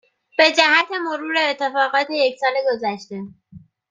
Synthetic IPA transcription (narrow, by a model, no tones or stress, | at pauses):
b̥e̞d͡ʒæhæt̪ʰe̞mo̞ɾuːɾeːt̪ʰːe̞fɒːɣɒːt̪ʰe̞jecsɒːleɡo̞zæʃt̪e̞